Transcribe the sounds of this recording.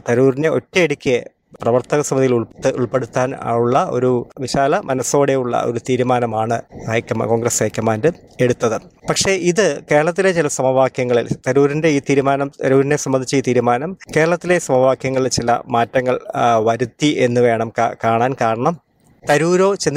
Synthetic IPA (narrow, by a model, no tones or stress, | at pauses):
t̪ɐɾuːrine̞o̞̰tːeiɽikʲː | prɐʋɐrt̪ɐɣɐsɐmɐnðijiluɭpe̞ɽut̪ːaːnuɭːɐo̞̰ɾuʋiɕaːlɐmɐnɐso̞ːɽe̞juɭːɐ̰ʔo̞̰ɾut̪iːɾumaːnɐmaːɳɨhekʲːɐm̰ko̞ːŋɡɾesheːkʲːɐmaːndɨ | e̞ɽut̪ːɐðɨpɐkʂe̞ʔiðɨke̞ːɾɐɭɐt̪̬ːile̞t͡ɕilɐsɐmɐʋaːkjɐŋːɐɭilt̪ɐɾuːɾinde̞iːt̪iːɾumaːnɐmɐɾuːɾine̞sɐmbɐnd̪ʱit͡ɕːɐiːt̪iːɾumaːnɐmke̞ːɾɐɭɐt̪ːile̞sɐmɐʋaːkjɐŋːɐɭilt͡ɕilɐ̰maːtːɐŋːɐɭʋɐɾut̪ːiʔe̞nːuʋe̞ːɳɐmkakaːɳaːnkaːɳɐɳɐm | t̪ɐɾuːɾo̞ːt͡ɕenː